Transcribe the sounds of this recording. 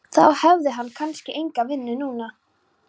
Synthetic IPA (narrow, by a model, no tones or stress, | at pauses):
θa̰whɛvðɪɦanːkʰanscɪʔejŋkavɪnːʏnuːna